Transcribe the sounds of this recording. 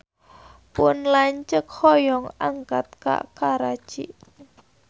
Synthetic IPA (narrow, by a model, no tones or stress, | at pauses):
pʊnlaɲt͡ʃək̚hɔjɔŋaŋkat̪̚ka̰ʔkaɾḁt͡ʃiʔ